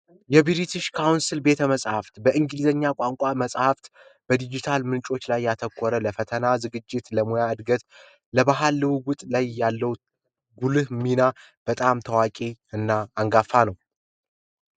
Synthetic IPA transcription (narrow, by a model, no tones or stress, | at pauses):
jɛbiɾit̪ʰɨʃkʰawnsɨlbe̞t̪ʰəməsʼhaft̪bəʔɨŋɡɨlzəɲːakʷʼaŋkʷʼaməsʼhaft̪ | b̥əd̪id͡ʒit̪ʰalmɨnt͡ʃʼo̞t͡ʃːlajːat̪ʰəkʰʷːɔɾələfət̪ʰənazɨɡɨd͡ʒːɪt̪ləmojaɨd̪ɡət̪ | ləbaɦalːɨwɡʊt̪ʼlajːalːəw | ɡulɨhmina | b̥ət̪ʼamt̪ʰəwakʼeɨnːaːŋɡafːanəw